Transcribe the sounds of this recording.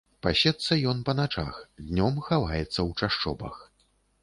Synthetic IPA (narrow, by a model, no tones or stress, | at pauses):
pasʲɛt̪sːɐjɔnpɐnat͡ʂa̰xd̪ʲnʲɔmxavajɛt̪sːɐwt͡ʂaʂt͡ʂɔ̰bɐ̰x